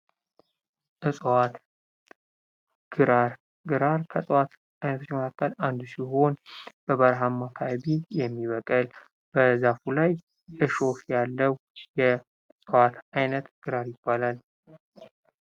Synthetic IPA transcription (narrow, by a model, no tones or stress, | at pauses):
ʔɨsʼwat̪ | ɡ̥ɨɾaɾ | ɡɨɾaɾkʰəsʼwat̪ | ajnət̪ʰot͡ʃːməkʰakːəland̪usiɦo̞nb̥əβəɾɦamːakʰaaβijɛmːiβəkʼəl | b̥əzafulaj | ʔɨʃo̞fjalːəw | jɛ | sʼwat̪ʰajnət̪ɡ̥ɨɾaɾjɪbːalal